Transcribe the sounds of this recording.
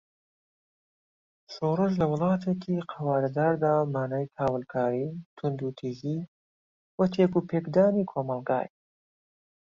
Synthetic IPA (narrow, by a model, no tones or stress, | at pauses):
ʃoɾɨʒlɐwɨlˠɑːt̪ʰekʰiqʰɐwaːɾɐd̪aːɾd̪aːmaːnajkʰaːwəlkʰaːɾiːt̪ʰʊnd̪uːt̪ʰiːzi | wɐt̪ʰekuːpʰeːkd̪aːnikʰoːmɐlɡa̰ːj